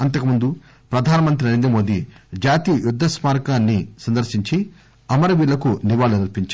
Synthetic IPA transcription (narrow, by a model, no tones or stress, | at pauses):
ɐnt̪ɐkɐmund̪u | pɾɐd̪ʱaːnɐmɐnt̪ɾinɐɾeːnd̪ɾɐmo̞ːd̪id͡ʒaːt̪ijɐjud̪ʱːɐsmaːɾkaːnːisɐnd̪ɐɾʃiɲt͡ʃi | ɐmɐɾɐʋiːlːɐkuniʋaːlunɐlpiɲt͡ʃː